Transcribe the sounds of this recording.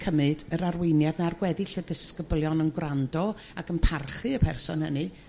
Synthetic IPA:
kʰəmɨdəɾarwɪnjadnarɡwɛðɪɬədəskəblˠjɔnənɡwrandɔ | akənpʰarɬɨəpʰɛrsɔ̰nhənɨ

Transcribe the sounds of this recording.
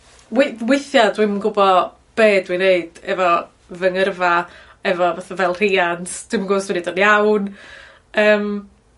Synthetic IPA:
wɪwɪθjadwɪmnɡʊbɔ | b̥eːdwineɨd̥ɛvɔ | vəŋərva | ɛvɔvaθavɛlˠr̥iansd̥wiməŋɡoːswinedɔnjawn | əːm

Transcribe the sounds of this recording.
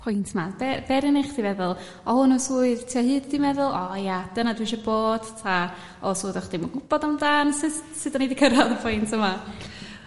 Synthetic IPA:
pʰʊjntʰmabɛbɛɾɪneχd̥ivɛðʊlˠ | ɔhʊnusuːɨðtʰiːɔhɨːddimɛðʊlˠɔjadənadwɪʃɔboːd̥tʰa | ɔsuːðɔχd̥emɔɡʊb̥ɔdandaːnsɨsɨdɔnidikʰəɾaðəpʰʊjntʰəma

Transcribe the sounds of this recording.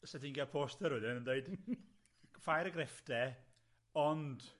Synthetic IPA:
sɛdinɡalˠpʰoːstəɾwɪdɪnəndeɨd̥ | fajɾəɡrɛfd̥ɛ | ɔnd̥

